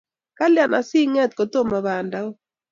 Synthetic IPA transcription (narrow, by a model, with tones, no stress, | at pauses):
ka˦lja˨na˨sɪ˦ŋɛ˦t̪̚ko˨t̪o˦ma˨βa˨nda˦o˦